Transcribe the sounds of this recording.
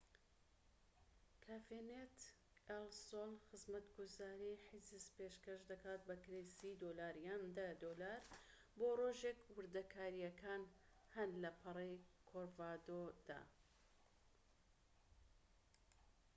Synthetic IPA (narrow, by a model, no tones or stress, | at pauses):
kʰafenet̪ | elsolxɨzmɐt̪ɡuzaːɾiħizispeːʃkɐʃd̪ɐkaːt̪̚bɐkɾejsid̪olaːɾjaːnd̪ɐd̪olaːɾ | boroːʒekwɨɾd̪ɐkʰaːɾijɐkaːn | hɐnlɐpʰɨrˤejkʰoɾvad̪od̪̥a̰ː